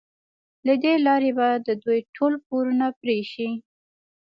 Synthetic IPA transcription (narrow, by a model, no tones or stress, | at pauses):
lad̪elɑɾebajd̪əd̪ujʈʰolp̚oɾunapɾeʃi